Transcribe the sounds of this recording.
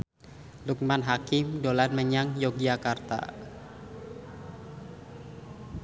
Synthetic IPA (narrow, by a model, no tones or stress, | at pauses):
luk̚manɦakɪmdolanməɲaŋjoɡiakart̪a̰